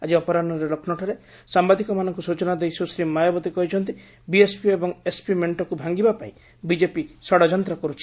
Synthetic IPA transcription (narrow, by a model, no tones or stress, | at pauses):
ad͡ʒiɔpɔɾanɔɾelokʰnɔʈʰɔɾe | sambad̪ʱikɔmanɔŋkusut͡ʃɔnad̪ejsusɾimajɔbɔt̪ikɔɦit͡ʃʰɔnt̪i | biespiebɔŋespimeɳʈɔkubʱaŋɡibapaĩ | bid͡ʒepisɔɽɔd͡ʒɔnt̪ɾɔkɔɾut͡ʃʰi̥